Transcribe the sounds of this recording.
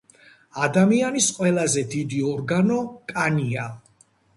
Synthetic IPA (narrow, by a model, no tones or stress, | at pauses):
ad̪amianisqʼwɛlˠazɛd̪id̪iɔɾɡanɔkʼania